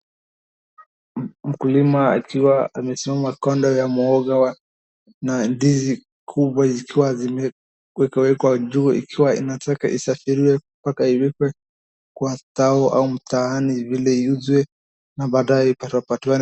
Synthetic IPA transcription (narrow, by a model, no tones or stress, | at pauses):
m̩kulimaa̰kiwaamɛsimamakɔndɔjamuɔɡawa | nandizi | kʰuɓwazikʰiwazimɛ | wɛkawɛkwad͡ʒuḭkʰiwaḭnatakaʔḭsafiɾiwɛ | pakaiwɛkwɛ | kwataɔʔa̰um̩taanivilɛiuzwɛ | naɓaːɗajɛipatapatiwan